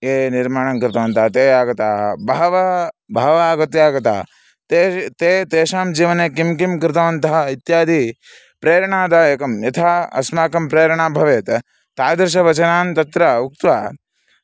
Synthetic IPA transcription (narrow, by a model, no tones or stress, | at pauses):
eːniɾmaːɳɐŋkɾɪt̪ɐʋɐnt̪ɐɦɐt̪eːaːɡɐt̪aːbʱaːʋɐbʱaːʋaːɡɐt̪jaːɡɐt̪a̰ː | t̪eːt̪eːt̪eːʃaːmd͡ʒiːʋɐneːkimkimkɾɪt̪ɐʋɐnt̪ɐɦɐit̪jaːd̪ʱi | pɾeːɾɐɳaːd̪aeːkɐmjɐt̪ʰaːɐ̰smaːkɐmpɾeːɾɐɳaːbʱɐʋeːt̪ | t̪aːd̪ɾʃɐʋɐt͡ʃɐnaːnt̪ɐt̪ɾɐuk̚t̪ʋaː